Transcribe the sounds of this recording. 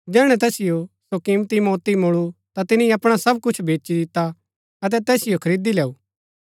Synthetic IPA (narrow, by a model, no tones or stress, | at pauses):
d͡ʒɛːɽ̃ɛ̃t̪ɛːsɪjosokɪmt̪imoːt̪imʊɭut̪at̪ɪnĩɐpɽ̃asɐb̚kʊt͡ʃʰbʱeːt͡ʃid̪ɪt̪ːa | ɐt̪̬ɛt̪ɛːsɪjokʰɐɾiːd̪ilɛːuː